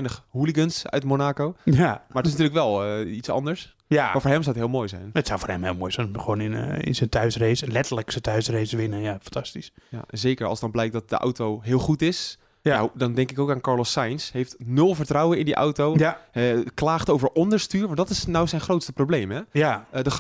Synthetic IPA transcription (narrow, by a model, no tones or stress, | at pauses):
jnəχhuliɡənsœ̰ɥtmonaːkowjamaːdɔtɪs̬ntyːɹləkʋɛlˠitsɑ̰ndəɹs | jaaːfoːɹɦɛmsawətɦɪːlˠmoːjsɛ̰jnətsawfoːɹhɛmhɪ̰ːlˠmoːjzɛjnχʋoːnɪnɪ̰nsəntʰœɥsrejsəlɛtələksətœɥsrejsəʋɪnənjafɑntɑstisja̰ɛnzeːkəɹɑ̰lˠsdɑnblɛjk̚dɔt̚də̰ʔa̰wtowɦɪːlˠχutɪs | adɔndɛŋkɪkowkaːnkɑɹlɔsajnsɦejftnølˠvəɹtrɔwəɪndiʔa̰wtowɛklaːχtowvəɹʔɔndəɹstyːɹʋɑndɔtɪsnawsɛjnχrowtstəproblejmɦɛjadə